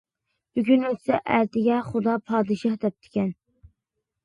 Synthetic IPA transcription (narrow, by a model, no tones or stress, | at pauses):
b̥yɡʲynøt͡ʃ̪ʰɪ̥sɛʔæɾt̪ɪɡʲɛχʊd̪ɑpʰɑːd̪ɨʃɑhd̪ɛp̚t̪ʰɪ̥kʲɛn